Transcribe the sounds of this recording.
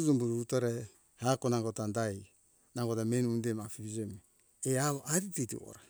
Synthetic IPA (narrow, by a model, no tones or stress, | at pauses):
d͡ʒumbuɾuutoɾe | hakonaŋɡotandaj | naŋɡotamenundemapiβid͡ʒeme | eaβʔaɾititḭo̰ɾa